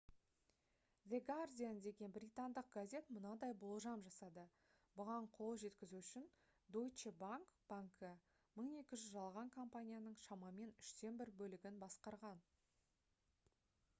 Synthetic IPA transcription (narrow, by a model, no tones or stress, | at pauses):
vʲeɡard̪ʲijanəd̪e̞ɡʲe̞nbrʲit̪and̪əq̚ɡazʲe̞t̪mʊnɑd̪ɑjbʊlˠʒɑmʒɑsɑd̪ə | bʊʁɑɴqʰo̞lˠʒe̞t̪kʲɪzuʏʃɪn | d̪ojt͡ʃebaŋkb̥aŋkə | məɴe̞kʲɪʒʏzʒɑlˠʁɑŋkʰompanʲijanəɴʃɑmɑme̞nʏʃt̪e̞nbɪɾbɵlɪɡʲɪnbɑsqɑɾʁɑn